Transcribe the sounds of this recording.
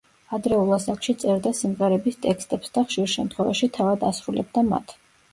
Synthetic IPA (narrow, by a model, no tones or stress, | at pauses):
ad̪ɾɛulˠasakʃit̪sʼɛɾd̪asimʁɛɾɛbist̪ʼɛkst̪ʼɛpsd̪aχʃiɾʃɛmt̪ʰχwɛva̰ʃit̪ʰavad̪asɾulɛ̰b̚d̪ama̰t̪ʰ